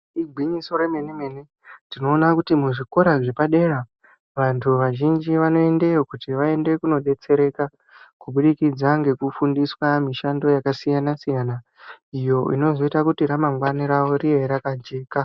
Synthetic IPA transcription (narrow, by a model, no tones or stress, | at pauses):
iɡʱwiɲiso̞ɾe̞me̞nemene | tino̞ːnakutimuʐiko̞ɾaʐe̞paɗe̞ɾa | ʋantʰuʋaʒind͡ʒiʋano̞e̞nde̞okutiʋae̞nde̞kuno̞ɗe̞t͡se̞ɾe̞ka | kuɓuɗikid͡zaŋɡe̞kufundiswamiʃando̞jakasijanasijana | ijo̞ʔḭno̞zo̞itakutiɾamaŋɡwaniɾaʋo̞ɾieɾakand͡ʒeːka